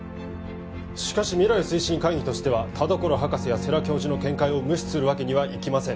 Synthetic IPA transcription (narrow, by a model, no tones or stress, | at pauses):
ɕi̥kaɕimʲiɾaɾɯ̟sɨiɕĩŋkaĩɲʲit̪o̞ɕi̥t̪e̞βat̪ʰad̪o̞ko̞ɾoɦakasɨjase̞ɾakʲo̞ːʑino̞kẽ̞ŋkaio̞mɯ̟ɕi̥t͡ssɨɾɯ̟βake̞ɲ̟iβaʔikʲimasẽ̞ŋ